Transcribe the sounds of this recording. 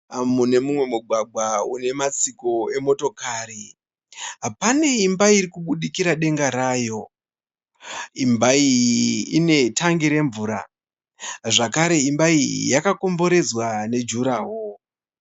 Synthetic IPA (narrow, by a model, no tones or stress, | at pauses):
mune̞mumwe̞muɡʱwaɡʱwaune̞mat͡siko̞e̞mo̞to̞kaːɾi | ɦapane̞imbaiɾikuɓuɗikiɾaɗe̞ŋɡaɾaːjo̞ | imbaiine̞tʰaŋɡiɾe̞ɱvuːɾa̰ | ʐakaɾe̞imbaijakako̞mbo̞ɾe̞d͡zwane̞d͡ʒuɾaːɦo